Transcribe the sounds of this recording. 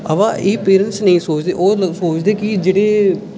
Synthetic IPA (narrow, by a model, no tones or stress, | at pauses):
əʋãːʔeːpeːɾənʈsnəĩːsoːt͡ʃd̪eːʔoːsoːt͡ʃd̪eːkɪd͡ʒeːɽeː